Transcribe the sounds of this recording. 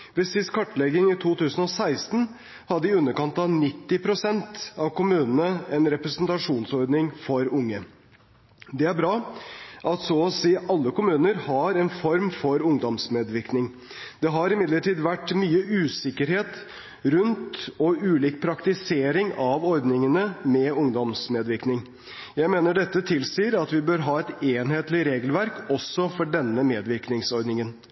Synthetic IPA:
ʋɛsɪst̪kʰɑʈːəlɛɡɪŋɪt̪ʰuːt̪ʰʉːsən̩ɔsæɪst̪ən̩ | hɑd̪ːəɪʉnːəɾkɑnt̪ɑʋnɪt̪ːɪpʰɾʊsɛnt̪ɑʋkʊmʉːnənəɛnɾɛpɾɛsnt̪ɑʂuːnsɔɾd̪nɪŋfɔɾʊŋːə | d̪ɛæɾbɾɑːʔɑt̪sɔɔsiːʔɑlːəkʊmʉːnəɾhɑɾɛnfɔɾmfɔɾʊŋd̪ɔmsmeːd̪ʋɪɾknɪŋ | d̪̥ɛɦɑɾɪmɪd̪ləʈʰiːd̪ʋæʈːmyːəʔʉːsɪkːəɾheːt̪ | ɾʉnt̪ɔʉːliːk̚pʰɾɑkt̪ɪseːɾɪŋɑʋɔɾd̪nɪŋənəmɛʊŋd̪ɔmsmeːd̪ʋɪɾknɪŋ | jæɪmeːnəɖɛt̪ːət̪ʰɪlsiːɾɑt̪ʋɪbøɾɦɑːɛt̪eːnheːt̪lɪɾeːɡəlʋæɾkɔsɔfɔɖɛnːəmeːd̪ʋɪɾknɪŋsɔɾd̪nɪŋən

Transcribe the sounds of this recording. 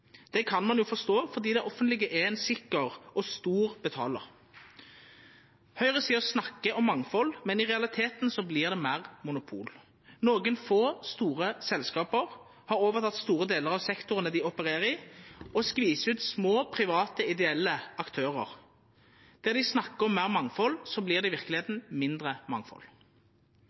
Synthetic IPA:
d̪̥ɛkʰɑnmɑnjʊfɔst̪oːfɔʁd̪iːd̪ɛʔɔfənt̪lɪɡəʔɛɛnsɪkːəʁɔst̪uːʁbət̪ʰɑ̰ːlə̰ʁ | hœʏʁəsiːɔsnɑkːəʔɔmːɑŋfɔlːmɛnɪʁɛɑlɪt̪ʰeːt̪nsɔblɪːʁd̪ɛmæːʁmʊnʊpʰṵːl | noːɡənfoːst̪uːʁəsɛlskɑːpəʁ | hɑːʁoːʋəʁt̪ʰɑt̪st̪uːʁəd̪eːləʁɑʋsɛkt̪ʊʁənəd̪ɪɔpəʁeːʁɪɔskʋiːsəʉːt̪smoːpʰʁɪʋɑːt̪əɪd̪ɛɛlːəɑkt̪ʰøːʁə̰ʁ | d̪̥æːd̪ɪsnɑkːəʁɔmːæːʁmɑŋfɔlsɔblɪːd̪ɛɪʋɪʁkəlɪheːt̪n̩mɪnd̪ʁəmɑŋfɔ̰l

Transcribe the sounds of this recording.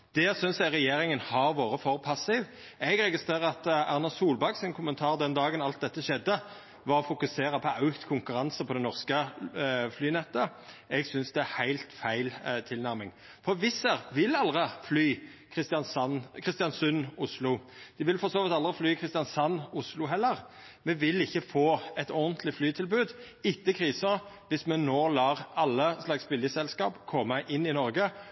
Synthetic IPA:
d̪̥ɛsʏnsæɡʁɛjeːɾɪŋənhɑʁʋoːɾəfɔɾpʰɑsɪʋ | ɛɡɾɛɡɪst̪ʁeːʁəɑt̪ɑʁnəsuːlbæɾɡsɪnkʰʊmənt̪ʰɑːʁd̪ɛnd̪ɑːɡənɑlt̪̚d̪ɛt̪ːəʃɛd̪ːə | ʋɑʁɔfʊkʉseːɾəpʰɔɑʉt̪kʰʊŋkʉɾɑnsəpʰɔd̪ɛnɔʁskə | flyːnɛt̪ːə | ɛɡsʏnsd̪ɛæhæɪlt̪fæɪlt̪ʰɪlnæʁmɪŋ | fɔʋɪsəʁʋɪlɑlʁəflyːkʰʁɪst̪ɪɑnsɑnkʰʁɪst̪ɪjɑnsʉnʊslʊd̪̥ɪʋɪlfɔʁsoːʋɪt̪ɑld̪ʁɪflyːkʰʁɪst̪ɪɑnsɑnːʊslʊɦɛlːəʁ | mɛʋɪlɪçːəfoːɛt̪ɔʁnt̪ʰlɪflyːt̪ʰɪlbʉːd̪ | ɪt̪ːəkʰʁiːsəʁ | ʋɪsmɛnnoːlɑːʁɑlːəslɑksbɪlːəsɛlskɑːpkʰɔmːəʔɪnːɪnɔɾɡə

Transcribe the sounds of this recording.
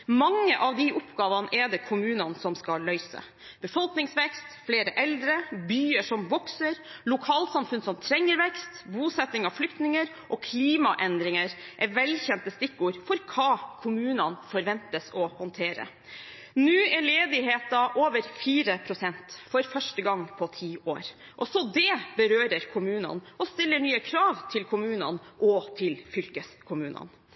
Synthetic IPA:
mɑŋːəʔɑʋd̪iʔʊpɡɑːʋɑnəʔɛd̪ɛkʰʊmʉːnɑnsɔmskɑlœʏsə̰ | b̥əfɔlknɪŋsʋɛkst̪fleːɾəʔɛld̪ɾəbyːəʂɔmʋɔksəɾlʊkʰɑːlsɑmfʉnsɔmt̪ʰɾɛŋːəɾʋɛkst̪buːsɛt̪ːɪŋɑʋflʏkt̪nɪŋəɾ | ʔɔkʰliːmɑʔɛnd̪ɾɪŋəɾʔɛʋɛlçɛnt̪əst̪ɪkːuːɾfɔɾkʰɑːkʰʊmʉːnɑnfɔɾʋɛnt̪əsɔhɔnt̪ʰeːɾə̰ | nʉːɛɭeːd̪ɪheːt̪ɑʔoːʋəɾfiːɾəpʰɾʊsɛnt̪fɔɾfœʂʈəɡɑŋːpʰɔt̪ʰiːʔoːɾ | ʔɔsɔd̪ɛbəɾøːɾəɾkʰʊmʉːnɑ̰nɔst̪ɪlːəɳyːəkʰɾɑːʋt̪ʰɪlkʰʊmʉːnɑ̰nʔɔt̪ʰɪlfʏlkəskʰʊmʉːnʔɑ̰n

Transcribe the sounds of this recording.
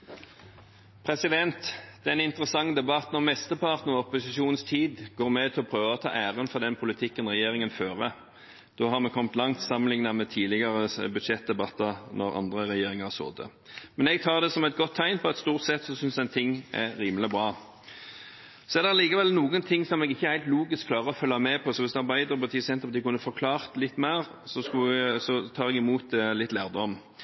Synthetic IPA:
pʰʁɛsɪd̪ɛnt̪d̪̥ɛnɪnt̪ʁəsɑŋd̪ɛbɑt̪nɔmɛst̪əpʰɑʁt̪nʁɔpʊsɪʃuːnnst̪ʰiːd̪ɡ̥oːɾmɛt̪ʰɪlɔpʰʁøːʋəɔt̪ʰɑ̰ːʔæːʁənfɔd̪ɛnpʰʊlɪt̪ʰɪkːənʁɛjeːɾɪŋənføːʁə | d̪̥oːɦɑʁmɛkʰɔmt̪lɑŋt̪sɑmːənlɪŋnɑmɛt̪ʰiːlɪɡɑʁəbʉd̪ʂɛt̪̚d̪ɛbɑt̪ːənɔʁɑ̰nd̪ʁəʁɛjeːɾɪŋɑʁso̰ːd̪ə̰ | mɛnɛɡ̚t̪ʰɑːʁd̪ɛsɔmɛɪt̪̚ɡɔt̪ʰːæɪnpʰɔɑt̪st̪uːʁt̪sɛt̪ːsɔsʏnsɛɪnt̪ʰɪŋːʔɛ̰ɾiːmlɪbɾɑː | sɔɛɾd̪ɛɾliːkɑʋɛlnuːɡənt̪ʰɪŋːsɔmɛɡɪçːəhæɪlt̪luːɡɪskʰlɑːʁəɔfœlːɑmɛːpʰɔsɔʋɪsd̪ɑɾbæɪd̪əɾpɑʁt̪ʰiːsɛnəpɑt̪iːkʰʊnːəfɔɾkʰlɑːʁt̪lɪt̪ːmeːʁ | sɔsksɔt̪ʰɑːɾɛɡɪmuːt̪lɪt̪læːʁd̪ɔm

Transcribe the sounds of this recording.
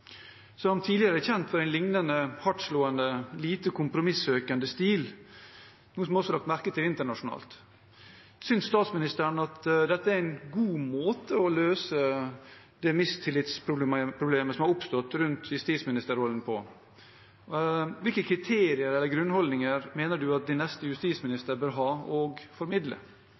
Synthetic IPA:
sɔɾɑmt̪ʰiːd̪ɪəɾəɛçɛnt̪fɔɾæɪnlɪŋnənəhɑʈʂluːənd̪əliːt̪əkʰʊmpɾʊmɪsøːkənd̪əst̪iːl | nuːəsɔmɾɔsːɔlɑkt̪mæɾkət̪ʰɪlɪnt̪əɳɑʂʊnɑ̰ːlt̪ | sʏnsst̪ɑːt̪smɪnɪst̪əɳɑt̪d̪ɛt̪ːəæɾɪnɡuːmoːt̪əɔløːsə | d̪ɛmɪst̪ʰɪlɪt̪spʰɾʊpʰɾʊbleːməsɔmhɑɾʊpst̪ɔt̪ɾʉnt̪ʰjʉst̪iːt̪smɪnɪst̪əɾɔlːənpʰɔ | ʋɪlkəkʰɾɪt̪ʰeːɾɪəɾɛlːəɾɡɾʉnːhɔld̪ɪŋəɾmeːnəɖʉɑt̪̚d̪æɪnɛst̪əjʉst̪iːsmɪnɪst̪əəbøːɾɦɑːɔɡfɔɾmɪd̪lə̰

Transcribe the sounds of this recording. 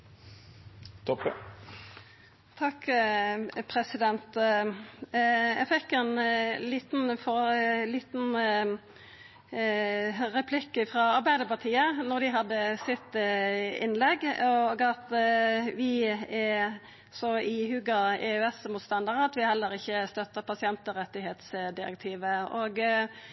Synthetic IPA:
t̪ʰɔpə | t̪ʰɑk | pʰɾɛsɪd̪ɛnt̪ | jæfɪkːɛnliːt̪nfɔliːt̪n | ʁɛpʰlɪkːəfɾɑːɑɾbæɪd̪əpɑt̪ʰiːənɔɾd̪ɪɦɑd̪ːəsɪt̪ː | ɪ̰nlɛɡɔɡɑt̪ʋɪɛ | sɔɪhʉːɡɑɛʉɛsmuːt̪st̪ɑnd̪ɑʁəɑt̪ʋɪhɛlːəɾɪçːəst̪œt̪ːəpʰɑsɪɛnt̪əɾɛt̪ːɪheːt̪sd̪ɪɾɛ̰k̚t̪ʰiːʋəoːɡ

